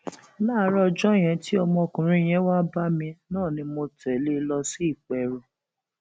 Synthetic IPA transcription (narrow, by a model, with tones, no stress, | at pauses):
laː˦˨˦ɾɔ˦˧d͡ʒɔ˦˨j̃ɛ̃˨˧ti˦ɔ˧mɔ̃˧o˧˨kũ˨ɾ̃ĩ˦˨j̃ɛ̃˨˦wa˦ba˦mĩ˧nãː˦˨nĩ˧mo˧tɛ˨le˦lɔ˧si˦i˦˨k͡pɛ˨ɾɔ˨